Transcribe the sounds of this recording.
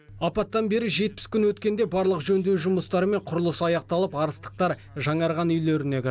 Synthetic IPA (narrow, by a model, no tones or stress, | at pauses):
ɑpɑt̪ːɑnbe̞ɾɪʒe̞t̪̚pɪ̥skʲʏnwɵt̪kʲe̞nd̪e̞bɑɾlˠəqʒɵnd̪e̞wʒʊməst̪ɑɾəme̞ɴqʰʊɾəlˠəsɑjɑqt̪ɑlˠəpɑɾəst̪ə̥q̚t̪ɑɾ | ʒɑɴɑɾʁɑnʏjleɾɪne̞kʲʰɪɾ